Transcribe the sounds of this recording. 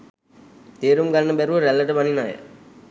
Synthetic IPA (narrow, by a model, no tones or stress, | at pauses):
t̪eːɾumɡalnəbæɾuʋəɾælːəʈəʋaninaːjə̰